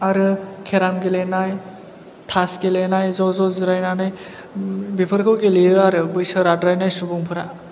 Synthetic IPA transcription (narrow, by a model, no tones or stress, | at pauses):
aɾɯkʰeɾamɡelenaj | tʰasɡelenajzɔzɔzɯɾajnanɯj | bipʰɯɾkʰɯwɡeliɯaɾɯbɯjsɯɾadɾajnajsubuŋpʰɯɾa